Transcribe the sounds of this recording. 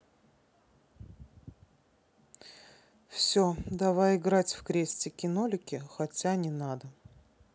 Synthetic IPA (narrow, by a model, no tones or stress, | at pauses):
fsʲod̪ɐvajɪɡɾatʲfkɾʲesʲtʲɪkʲɪnolʲʊkʲɪxɐtʲanʲɪnad̪ə